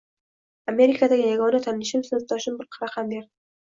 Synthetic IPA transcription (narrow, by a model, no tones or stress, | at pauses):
ame̞ɾɪkʰad̪aɡʲɪjaɡɒnat̪ʰamlɪʃɪmsozt̪ːɒʃɪmbɪɾqʰɑɾaqambeɾd̪ɪ